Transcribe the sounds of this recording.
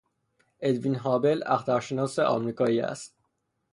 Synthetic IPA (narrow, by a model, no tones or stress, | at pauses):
e̞d̪vinɦɒːbe̞læ̰xt̪æɾʃe̞nɒːseʔɒ̰ːmɾiːkʰɒːiːæ̰st̪̚